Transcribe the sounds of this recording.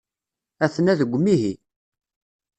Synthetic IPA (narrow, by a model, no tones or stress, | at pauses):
æθnæðəɡʷːmiɦi